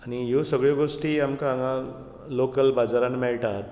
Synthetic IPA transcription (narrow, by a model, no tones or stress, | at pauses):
aɽ̃ijosəɡɭjoɡosʈiːamkaːŋã | lokəlbad͡zaɾanmɛɭʈat̪